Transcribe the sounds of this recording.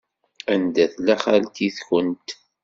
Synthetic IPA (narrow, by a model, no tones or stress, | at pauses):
ænd̪æθlæχalt̪iθçənt̪